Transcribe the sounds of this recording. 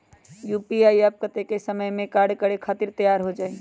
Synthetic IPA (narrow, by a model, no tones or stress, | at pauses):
jupiajəb̚kət̪ekesəməjmẽkaɾɖkəɾekʰaːt̪iɾt̪əjaɾɦod͡ʒaːi